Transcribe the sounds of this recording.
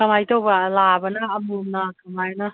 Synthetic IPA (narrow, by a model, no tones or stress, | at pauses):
kamajt̪ʰowbalabanaːmumnakʰamajna